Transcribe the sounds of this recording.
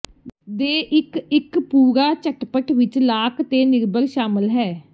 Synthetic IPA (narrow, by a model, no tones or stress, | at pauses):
d̪eːʔɪkɪkpuːɾaːt͡ʃəʈpəʈʰʋɪt͡ʃlaːkt̪eːnɪɾbəɾʃaːməlɦɛː